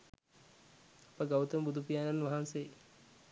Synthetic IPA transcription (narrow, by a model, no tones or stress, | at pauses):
apəɡawt̪əmbud̪ʱupijaːnanʋaɦanse